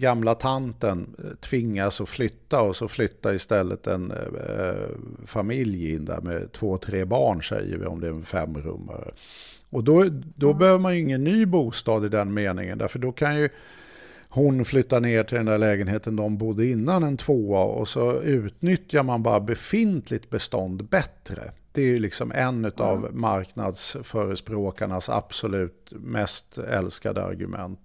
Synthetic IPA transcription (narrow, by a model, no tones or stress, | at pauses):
ɡamlat̪ʰant̪ənt̪ʰvɪŋːasɔflʏt̪ːaɔsɔflʏt̪ːaɪst̪ɛlːə̰t̪ɛ̰n | famɪljɪ̰nd̪a̰mɛ̰t̪ʰvoːt̪ʰɾeːbɑːɳʂɛ̰jə̰vɪ̰ɔ̰md̪ɛæɾɛnfɛmːɾɵ̰mːa̰ɾə̰ | ɔd̪ɔd̪ɔbɛhøːvəɾmanjɵɪŋːənːyːbuːst̪ɑːd̪ɪd̪ɛnmeːnɪ̰ŋənd̪æ̰ɾfəɖɔkʰanjɵ | hʊnflʏt̪ːaneːʈʰɪld̪ɛnd̪æɭɛːɡənɦeːt̪ənd̪ɔmbʊd̪ːəɪnːanɛnt̪ʰvoːaɔ̰sɔʉ̟ːt̪nʏt̪jaɾmanbɑ̰ːɾabɛfɪnt̪ʰlɪt̪̚bɛst̪ɔnd̪bɛt̪ɾə̰d̪̥ɛæjlɪksɔmʔɛnːʉ̟t̪avmaɾkna̰d̪sfœːɾəspɾoːkaɳasa̰b̥sɔlʉ̟ːt̪mɛst̪ɛ̰lska̰d̪ə̰a̰ɾɡɵ̰mʔɛ̰nt̪